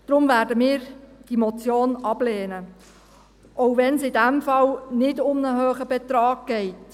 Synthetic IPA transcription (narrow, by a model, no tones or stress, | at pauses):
d̥ɾʊmvæːɾdəmɪːɾd̥imɔt͡sjoːnɑbleːnə | ʔoʊvɛnsɪdæmfɑlnɪdʊmnəɦøːχəbɛtɾɑːɡ̚ɡ̥ɛɪt